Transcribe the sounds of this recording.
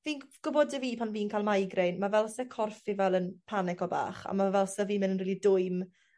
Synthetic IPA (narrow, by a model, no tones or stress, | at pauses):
viːnɡ̥ʊbɔdəviːpʰanviːnkʰaːlˠmajɡrejnmavɛlˠsɛkʰɔrfivɛlˠənpʰanɪkɔba̰ːχa̰mavɛlˠsɛviːmɪnənriːlidʊɨm